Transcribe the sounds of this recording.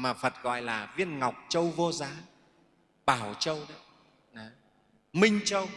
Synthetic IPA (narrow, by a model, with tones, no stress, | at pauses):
maː˨˩fə˨˩t̚ɣɔ̰˧˨jlaː˨˩vi˧˥ənŋa˨˩wk͡p̚t͡ɕə˧wvo˧zaː˨˦ | ɓaː˧˩wt͡ɕə˧wɗɔ˨˦ | ɗɔ˨˦ | mï˧ŋ̟t͡ɕə˧w